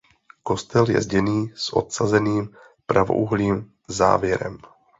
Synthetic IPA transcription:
ko̞st̪ɛljɛ̰zɟɛniːsʔo̞̰t̪sazɛniːm | pɾavo̞̰ʔuɦliːm | za̰ːvjɛɾɛ̰m

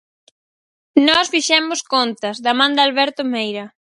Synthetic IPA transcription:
nɔsfiʃɛmʊskont̪ɐzðɐmãnd̪ɐalβɛɾt̪omejɾɐ

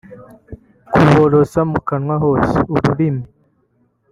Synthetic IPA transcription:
kʰuwoɾosamukanwaɦosuɾuɾini

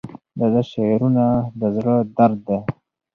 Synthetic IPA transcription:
d̪ad̪aʃeɾunad̪əzɽəd̪aɾd̪̚ːe

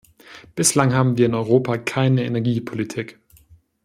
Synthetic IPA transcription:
b̥ɪslaŋɦaːbm̩viːɐɪnɔʏʁ̞oːpʰakʰaɪnəenɛɐɡiːpʰolitʰiːk

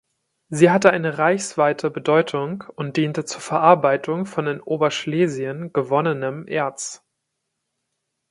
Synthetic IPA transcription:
ziːɦatəaɪnəʁaɪçsv̥aɪtʰəbədɔʏtʰʊŋʊnt̚d̥iːntət͡suːɐfɛɐʔaɐbaɪtʰʊŋfɔndɪnʔoːbɐʃleːziənɡ̥əvɔnənəmʔḛːɐt͡s

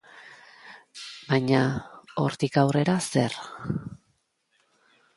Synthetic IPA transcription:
baɲao̞ɾt̪ikawre̞ɾase̞̰ɾ

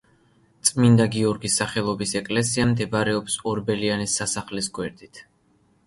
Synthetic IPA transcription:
t̪sʼmind̪aɡiɔɾɡisːaχɛlˠɔbisɛkʼlɛsiamd̪ɛbaɾɛɔpsɔɾbɛlianisːasaχlisɡwɛɾd̪̥it̪ʰ

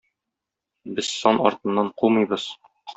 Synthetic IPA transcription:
bɘz̥sɒnɒ̰ɾt̪ɤ̆nːɑɴqulˠmɤ̆jbɤz̥ | q

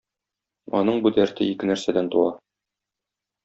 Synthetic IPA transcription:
ɒ̰nɤɴbud̪æɾt̪ɘikɘnæɾsæd̪ænt̪uwɑ

